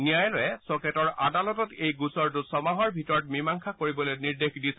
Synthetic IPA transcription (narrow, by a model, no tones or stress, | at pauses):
nijajlojɛsɔketɔɹadalɔtɔtejɡusɔɹtʊsɔmaɦɔɹbʱitɔɹɔt̚mimaŋkʰakoɹibɔlojniɹdexdisɛ